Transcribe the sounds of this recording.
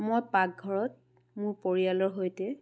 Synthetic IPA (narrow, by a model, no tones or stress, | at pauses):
mojpak̚ɡʱɔɹɔt̚ | mʊɹpoɹialɔɹɦojtɛ